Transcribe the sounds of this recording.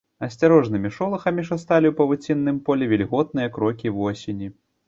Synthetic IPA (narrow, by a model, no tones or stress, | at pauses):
ɐsʲt͡sʲaɾɔʐnɨmʲiʂɔlˠɐxɐmʲiʂɐst̪alʲiwpɐvut͡sʲinːɨmpɔlʲɛvʲilʲɣɔt̪̚nɨjɐkɾɔkʲivɔsʲenʲi